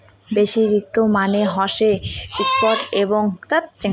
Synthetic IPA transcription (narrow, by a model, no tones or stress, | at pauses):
beʃiɾik̚t̪omaneɦɔʃeispɔʈeboŋt̪at̪̚t͡ɕe